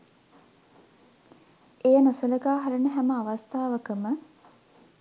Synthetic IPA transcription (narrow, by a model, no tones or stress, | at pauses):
ejənosələɡaːɦɐɾənəɦæməaʋɐst̪aːʋəkəmə